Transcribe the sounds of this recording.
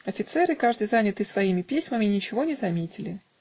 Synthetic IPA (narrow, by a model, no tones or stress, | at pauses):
ɐfʲɪt̪sɛɾɨkaʐd̪ɨjzanʲɪt̪ɨsvɐimʲɪpʲesʲməmʲɪnʲɪt͡ɕɪvo̞nʲɪzɐmʲetʲɪlʲɪ